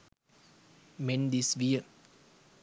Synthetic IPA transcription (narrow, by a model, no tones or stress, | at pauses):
mɛnd̪isʋiə